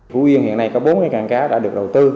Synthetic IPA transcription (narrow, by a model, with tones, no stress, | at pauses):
fṵ˧˥wi˧ənhḭ˧˨ənːa˧jkɔ˨˦ɓo˨˦nŋa˧˩jkaː˨˩ŋkaː˨˦ɗa̰ː˧˥ɗɨ˨˩ək̚ɗə˨˩wt̪ɨ˧